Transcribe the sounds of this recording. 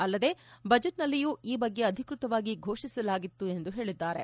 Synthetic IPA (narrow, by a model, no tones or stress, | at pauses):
ɐlːɐd̪e̞ːbɐd͡ʒeʈnɐlːijuːiːbɐɡːe̞ɐd̪ʱikɾut̪ɐʋaːɡiɡʱo̞ːʂisɐlaːɡit̪ːue̞nd̪uɦe̞ːɭid̪ːaːɾe